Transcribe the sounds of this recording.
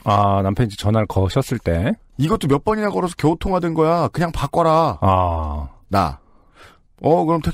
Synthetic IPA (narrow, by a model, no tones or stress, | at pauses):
anampʰjʌid͡ʑet͡ɕʌnaɭkʌɕʰʌs͈ɯɭt͈e̞ | iɡʌt͈omjʌp͈ʌɲinaɡʌɾosʰʌkjʌutʰoŋɦadwenɡʌjakɯɲaŋpak͈ʌɾaa | na̰ | ʌkɯɾʌmtʰe